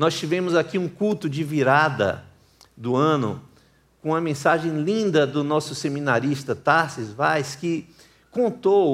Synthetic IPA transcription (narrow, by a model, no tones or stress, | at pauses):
nɔst͡ʃivẽmʊzakiũkuwt̪ʊd͡ʒɪviɾad̪ɐ̰ | d̪ʊɐ̃nʊ̰ | kõɐmẽsaʒẽj̃lĩnd̪ɐd̪ʊnɔsʊsemĩnaɾist̪ɐt̪asizvajskɪ | kõnt̪o